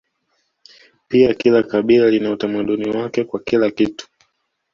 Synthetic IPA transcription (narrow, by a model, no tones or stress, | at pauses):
piakilakaɓilalinautamaɗuniwakɛkwakilakitu̥